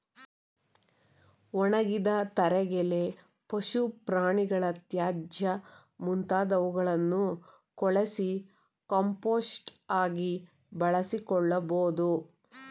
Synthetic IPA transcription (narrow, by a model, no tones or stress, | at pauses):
ɔɳɐɡid̪ɐt̪ɐɾɛɡɛle | pɐʃupɾaːɳiɡɐɭɐt̪jaːd͡ʒjɐ | munt̪aːd̪ɐʋuɡɐɭɐnːu | kɔɭɐsi | kɐmpoːsʈaːɡi | bɐɭɐsikɔɭːɐboːd̪u